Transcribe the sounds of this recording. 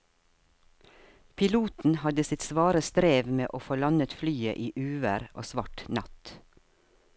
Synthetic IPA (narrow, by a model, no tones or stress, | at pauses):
pʰɪluːt̪n̩hɑd̪əsɪt̪sʋɑːɾəst̪ɾeːʋmeːʔoːfoːlɑnət̪flyːə̰ʔiːʔʉːʋəɾʔo̰ːsʋɑʈnɑt̪